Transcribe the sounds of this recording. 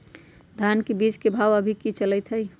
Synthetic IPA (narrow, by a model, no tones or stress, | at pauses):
d̪ʱankebit͡ʃkebʱawəbʱikit͡ʃələt̪ɦəj